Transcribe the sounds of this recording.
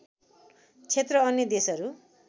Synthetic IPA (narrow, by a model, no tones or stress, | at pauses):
t͡sʰet̪rʌʌnːjʌd̪esʌɾu